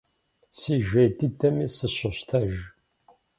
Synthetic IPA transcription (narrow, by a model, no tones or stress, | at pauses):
siʒæjt̪ːit̪ːæmisəʃoʃt̪ʰæʒ